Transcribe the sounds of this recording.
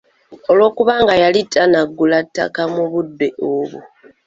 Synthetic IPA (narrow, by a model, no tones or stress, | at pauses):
o̞lwo̞ːkuβaːŋɡajalitʰːanaɡːulatːa̰kamuβudːe̞ʔoβṵ